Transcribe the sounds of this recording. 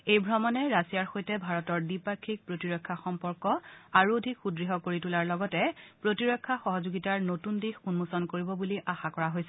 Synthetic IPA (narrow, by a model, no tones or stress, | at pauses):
ejbʱɹɔmɔnɛɹasijaɹxojtɛbʱaɹɔtɔɹdipakʰːik̚pɹotiɹɔkʰːaxɔmpɔɹkɔaɹuodʱikxudɹiɦɔkoɹitulaɹlɔɡɔtɛpɹotiɹɔkʰːaxɔɦɔzuɡitaɹnotundixunmusɔnkoɹibɔbuliʔaxakɔɹaɦojsɛ